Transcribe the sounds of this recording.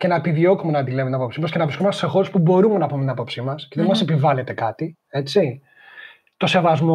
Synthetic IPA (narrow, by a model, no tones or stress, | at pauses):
ce̞nɐepiðio̞kumenɐd̪ilemt̪inɐpopsimɐsce̞nɐvɾiskomɐsse̞xo̞ɾespubo̞ɾumenɐpumet̪inɐpo̞psimɐsceðenmɐse̞pivɐlet̪e̞kɐt̪i | e̞t͡si | t̪o̞se̞vɐzmo